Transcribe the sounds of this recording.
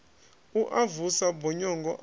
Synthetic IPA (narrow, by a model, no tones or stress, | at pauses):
uʔavusabɔɲɔŋɡɔ̰ʔ